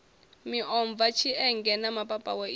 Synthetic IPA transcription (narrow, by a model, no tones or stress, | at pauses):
miʔɔɱb̪vat͡ʃʰiɛŋɡɛnamapʼapʼa̰wa